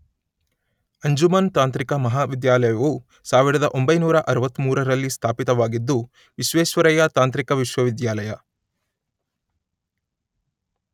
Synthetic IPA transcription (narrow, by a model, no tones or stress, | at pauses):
ɐɲd͡ʒumɐnt̪aːnt̪ɾikɐmɐɦaːʋid̪jaːlɐjɐʋu | saːʋiɾɐd̪ɐʔo̞mbɐjnuːɾɐʔɐɾɐʋɐt̪ːmuːɾɐɾɐlːist̪ʰaːpit̪ɐʋaːɡid̪ːu | ʋiʃʋeːʃʋɐɾɐjɐt̪aːnt̪ɾikɐʋiʃʋɐʋid̪jaːlɐjɐ